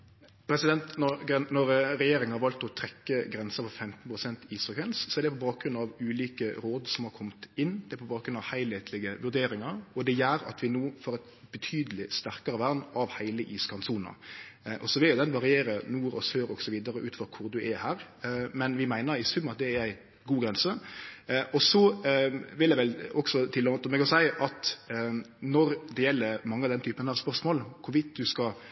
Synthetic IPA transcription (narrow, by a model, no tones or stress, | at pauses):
pʰɾɛsɪd̪ɛnt̪nɔɾɡɛnnɔɾɾɛjeːɾɪŋənhɑɾʋɑlt̪ɔt̪ʰɾɛkːəɡɾɛnsəpʰɔfɛmt̪n̩pʰɾʊsɛnt̪iːsəkʰʋɛnssɔɛɾd̪ɛpʰɔbɑːk̚ɡɾʉnːɑʋʉːliːkəɾoːd̪sɔmhɑɾkʰɔmt̪ɪnːd̪ɛæpʰɔbɑːkɾʉnɑʋhæɪlheːt̪ʰlɪɡəʋʉɾd̪eːɾɪŋɑɾɔd̪ɛjæːɾɑ̰t̪ʰʋɪnuːfɔɾɛt̪ | b̥ɛt̪ʰyːd̪əlɪst̪æʁkɑɾəʋæʁnɑʋhæɪləʔiːskʰɑnsuːnɑ̰ʔɔsɔʋɪljʊd̪ɛnʋɑɾɪeːɾənuːɾɔsøːɾɔɡsɔʋiːd̪ɑɾəʔʉːt̪fɔɾkʰʊɾd̪ʉʔɛhæːɾmɛnʋɪmæɪnəɾɪsʉmːɑt̪̚d̪ɛæɾæɪ | ɡuːɡɾɛnsə | ʔɔsɔ | ʋɪljæɪʋɛlɔksɔt̪ʰɪlːɔmt̪əmɛːɡɔsæɪʔɑt̪ | nɔɾd̪ɛjɛlːəɾmɑŋːəɑʋd̪ɛnt̪yːpənhæːɾspœɾsmoːlkʰʊɾʋɪt̪̚d̪ʉskɑ